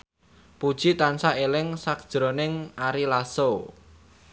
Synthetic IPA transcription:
pud̥ʒ̥i̤t̪ansaelɪŋsak̚d̥ʒ̥ɾonɪŋaɾilaso

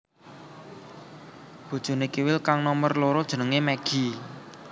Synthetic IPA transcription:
b̥ud̥ʒ̥ṳnekiwɪlkaŋnɔmərloɾɔd̥ʒ̥ə̤nəŋemɛɡ̥i̤

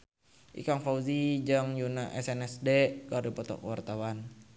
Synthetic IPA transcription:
ʔḭkaŋfauzid͡ʒəŋjunaʔɛ̰sɛnɛsdɛkaɾipɔt̪ɔ̰kəwart̪awan

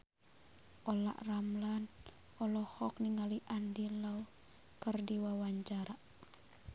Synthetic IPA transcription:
ʔɔla̰ʔramlan | ɔlɔhɔk̚niŋaliʔandilau | kərdiwawaɲt͡ʃaɾaʔ

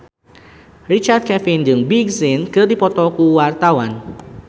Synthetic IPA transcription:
rit͡ʃard̪̚kɛfind͡ʒɨŋbiɡsinkərdipɔt̪ɔkuwart̪awan

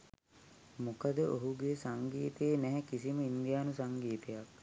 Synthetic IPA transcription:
mukad̪əʔoɦuɡesaŋɡiːt̪eːnɛɦɛkisiməind̪jaːnusaŋɡiːt̪ejak̚

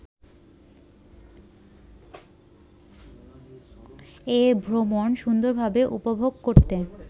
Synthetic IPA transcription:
ebʱɾomonʃund̪oɾbʱabeʔṵpobʱoɡkoɾt̪e

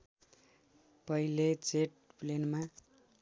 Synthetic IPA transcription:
pʌilet͡seʈ̚plenma

